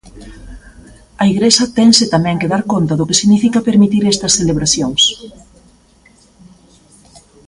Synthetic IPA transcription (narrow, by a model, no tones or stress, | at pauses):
ɐiɣɾesɐt̪ɛŋsɪt̪amɛ̃ŋkeðaɾkont̪ɐðʊkɪsiɣnifikɐpeɾmit̪iɾest̪ɐsθeleβ̞ɾaθjoŋs